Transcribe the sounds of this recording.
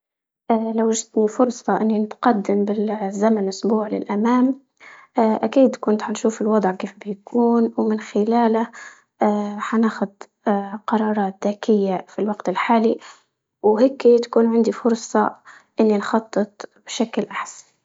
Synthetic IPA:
ʔlawaʒɪt̪nifʊɾˤsˤɑʔɪnːinɪt̪qɑd̪ːɪmbɪzamanʔʊsbuːʕlɪ̰lʔamaːmː | ʔakiːd̪kʊnt̪ħanʃuːfɪlwɑd̪ˤʕkeːfbɪjakʰuːnwmɪnxɪlaːla | ħanaːxʊd̪ | qɑɾˤɑːɾˤɑːt̪̚ðaːkɪjːafilwaɡt̪ɪlħaːli | wheːkːit̪ḁkuːnʕɪnd̪ifʊɾsˤɑ̰ | ʔɪnːinxɑt̪ˤːɨt̪ˤb̥ɪʃaklʔaħsḁn

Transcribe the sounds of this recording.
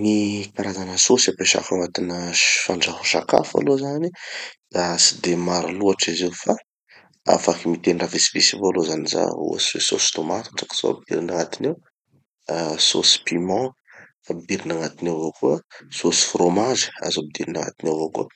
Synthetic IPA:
nikaɾazanəsosapeʃa̰faŋat̪inəfaɳɖ͡ʐahu̥ʃaka̰fa̰lozanid̪asi̥d̪emaɾaluaʈ͡ʂizifa | a̰fakimit̪eniravisi̥visivoalozaniza̰a̰seso̰si̥t̪omat̪ḁʈ͡ʂḁki̥z̥o̰a̰bid̪ḭɾinaŋat̪inew | so̰si̥pimɔ̃ | bid̪iɾinaŋat̪inevokuəsosi̥fromazi̥a̰zobid̪iɾinaŋa̰t̪inewvokuə

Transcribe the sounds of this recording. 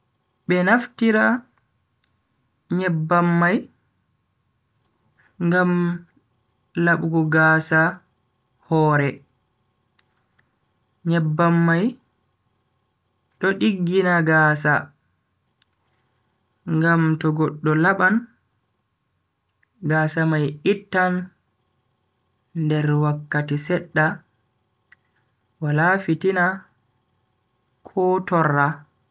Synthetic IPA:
ɓɛnaftiɾa | ɲɛbːamːaj | ŋɡam | laɓuɡɔɡaːsa | hɔːɾɛ | ɲɛbːamːaj | ɗɔɗiɡːinaɡaːsa | ŋɡamtɔɡɔɗːɔlaɓan | ɡasamajitːan | dɛɾwakːatisɛɗːa | walafitina | kʰɔːtɔrːa

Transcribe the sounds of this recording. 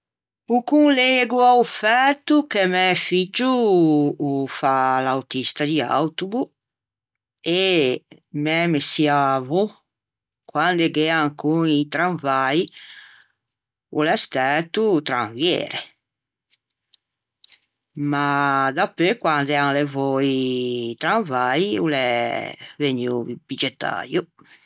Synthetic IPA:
ukunleɡuawfɛt̪ukemɛfid͡ʒuː | falawt̪ist̪ad̪ia̰wt̪ubu | e | mɛmesiavu | kwand̪eɡeaŋkuŋit̪ɾaɱvaj | ulɛst̪ɛt̪ut̪ɾaɱvjḛːɾe | mad̪apekwand̪ɛaŋlevɔit̪ɾaɱvajiulɛ | veɲub̥id͡ʒet̪ːa̰ɾju

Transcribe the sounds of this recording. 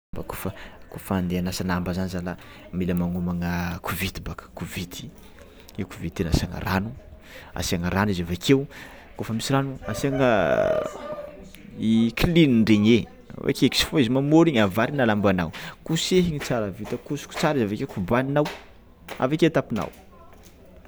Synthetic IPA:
mbakofəkofand̪eanasanambazanizala | miləmaŋumaŋəkʰuvit̪ibakə̥kuvit̪i̥ | ewkuvid̪t̪ena̰saŋə̰ranu | a̰siaŋəɾanizavakʰew | kofəmisiɾanuasaŋə | ikliniɳɖ͡ʐeɲe | a̰va̰keki̥si̥foizimamoɾiɲavaɾinalambana̰wkuseɦiɲit͡saɾavit̪əkusu̥ku̥t͡saɾizavakewkubaninaw | a̰vaket̪apina̰w

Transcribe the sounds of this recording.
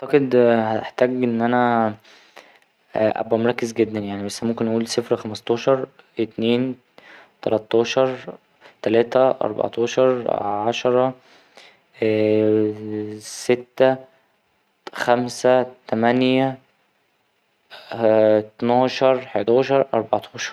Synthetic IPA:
ɑʕt̪ɑqed̪hæt̪eħt̪æːɡʔenːʔænæ | ʔæ̰bːæmɾˤɑkːezɡed̪ːænjaʕnibæsːææmomkenʔæʔuːlsefɾxæmɑst̪ˤɑːʃɑɾˤ | et̪neːn | t̪ɑlɑt̪ˤːɑːʃɑɾˤ | t̪ælæːt̪æʔɑ̰ɾˤbɑ̰ʕt̪ˤɑːʃɑɾˤʕɑʃɑɾˤɑ | set̪ːæ | xæmsæt̪æmænjæ | t̪nɑːʃɑɾˤħet̪ɑːʃɑɾˤʔɑ̰ɾˤbɑʕt̪ˤʰɑːʃɑ̥ɾˤ

